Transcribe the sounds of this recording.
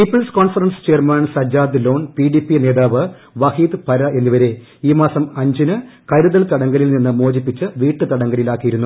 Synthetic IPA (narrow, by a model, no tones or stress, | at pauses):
pipːɐɭskoːnfɐrɐnst͡ɕeːrmaːɳsɐd͡ʑaːd̪ɨlo̞ːnpiɖipːine̞ːðaːʋɨ | ʋɐhiːd̪ɨpɐɾɐe̞nːiʋɐɾe̞ | iːmaːsɐmɐɲd͡ʑinɨ | kɐɾuðɐɭt̪ɐɽɐŋɡɐlilninːɨmoːd͡ʑipːit͡ɕːɨʋiːʈːɨt̪ɐɽɐŋɡɐlilaːkːijiɾunːu